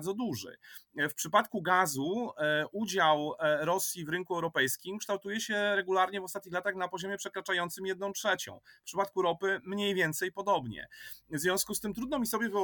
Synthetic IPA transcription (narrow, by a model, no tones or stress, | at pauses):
d̪ɔd̪uʐɘ̰fpʂɘpat̪kuɡazuud͡ʑawɾɔsʲjivɾɘŋkuɛwɾɔpɛjskʲimkʂt̪awt̪ujɛɕɛɾɛɡulaɾɲɛvɔst̪at̪ɲixlat̪axnapɔʑɔmʲjɛpʂɛkɾat͡ʂajɔnt̪sɘmjɛd̪nɔ̃w̃tʂɛt͡ɕɔ̰̃w̃pʂɘpat̪̚kuɾɔpɘmɲejvʲjɛnt̪sɛjpɔd̪ɔbɲɛ̰vzvʲɔ̃skust̪ɘmt̪ɾud̪nɔmʲisɔbʲjɛvɘɔ